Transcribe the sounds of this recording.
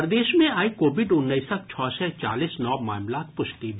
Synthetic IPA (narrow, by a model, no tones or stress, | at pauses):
pɾd̪eːʃmẽaːikoːʋɪɖʊnːəisək̚t͡ʃʰɔːsɛt͡ʃa̰ːliːsnɔːmaːmlaːt̪pʊʃt̪ib